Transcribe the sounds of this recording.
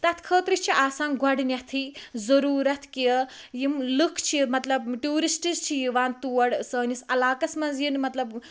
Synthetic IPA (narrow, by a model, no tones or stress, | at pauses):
t̪ɐt̪ʰkʰəːt̪ɾit͡ʃʰiʔaːsaːnɡʱɐɽnʲɐt̪ʰizɐɾuːɾɐt̪ʰkijəjimlɨkʰt͡ʃʰimɐt̪lɐbʈuːɾisʈizt͡ʃʰijiʋaːnt̪uːɐɽsəːnisɐlaːkɐsmɐnzjinmɐt̪lɐb